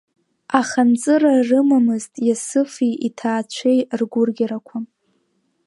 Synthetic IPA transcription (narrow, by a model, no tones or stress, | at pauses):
aχant͡sʼɨrarɨmamɨztʼjasɨfiitʰaːt͡ɕʷʰejrɡʷʊrɡʲaɾakʷʰa